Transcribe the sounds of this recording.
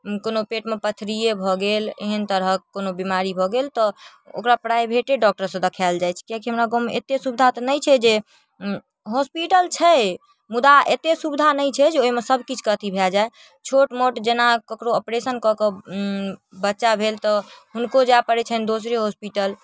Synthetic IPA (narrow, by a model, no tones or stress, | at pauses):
konopeʈmepət̪ʰɾijebʱɔɡelḛɦənt̪əɾəkonobimaɾibʱɔɡelt̪ɔ | o̰kɾapɾajbʱeʈeɖɔk̚ʈəɾsə̃d̪əkʰald͡ʒajt͡ʃʰkiakiɦəmɾaɡomḛt̪esubd̪ʱat̪ɔnəjt͡ʃʰɛd͡ʒe | ɦospiʈəlt͡ʃʰɛ | mud̪aet̪esubd̪ʱanəjt͡ʃʰɛd͡ʒeoɦimesəbʱkit͡ʃʰkət̪ʰibʱeld͡ʒae | t͡ʃʰoʈmoʈd͡ʒenakəkɾoəpɾesənkɔkə | bətːʃabʱelt̪ɔɦunkod͡ʒapəɾɛt͡ʃʰənd̪osɾeɦospiʈəl